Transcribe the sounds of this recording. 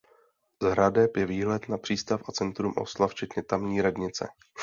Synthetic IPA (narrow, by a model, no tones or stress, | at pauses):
zɦɾadɛpjɛviːɦlɛt̪napr̝̥iːst̪afʔat͡sɛnt̪ɾumʔo̰slaft͡ʃɛt̪ɲɛt̪amɲiːiːɾadɲɪt͡sɛ̰